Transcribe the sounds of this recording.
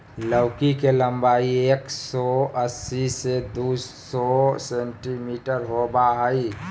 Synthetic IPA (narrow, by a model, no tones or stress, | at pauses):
ləwkikelə̃mbaːieːksɔəsːised̪usɔsẽɳʈimiːʈəɾɦobaɦəi